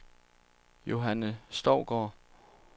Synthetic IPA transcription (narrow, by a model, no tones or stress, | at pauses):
jo̝ɦænəsd̥ɒʊ̰ɡ̥ɒ̰ː